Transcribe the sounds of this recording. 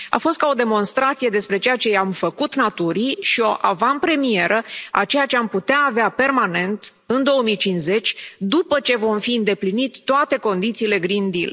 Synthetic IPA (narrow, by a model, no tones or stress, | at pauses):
a̰fo̞st̪̚kao̞d̪e̞mo̞nst̪ɾat̪sije̞d̪e̞spɾe̞t͡ʃe̞jat͡ʃe̞amfəkut̪nat̪uɾiʃio̞ʔavanpɾe̞mie̞ɾʔəa̰t͡ʃe̞jat͡ʃe̞amput̪eaːveape̞rmane̞nt̪ | ɨnd̪o̞wəmijt͡ʃinze̞t͡ʃʲd̪upət͡ʃe̞vo̞mfiɨnd̪e̞plinit̪t̪ːoat̪e̞ko̞nd̪it̪siːle̞ɡɾind̪il